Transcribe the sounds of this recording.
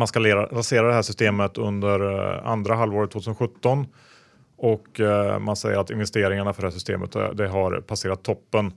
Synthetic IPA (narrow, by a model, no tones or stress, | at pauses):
manskaleɾaɾaseːɾad̪ɛɦæːʂʏst̪eːmət̪ɵ̰nd̪əɾa̰nd̪ɾaɦalvoːɾt̪ʰvot̪ʉːsənɧɵt̪ːɔn | ɔkmansɛjəɾat̪ɪnvɛst̪eːɾɪŋaɳafœɖɛhæːʂsʏ̥st̪ḛːmə̰t̪d̪ɛɦaɾpʰaseːɾat̪ʰːɔpːən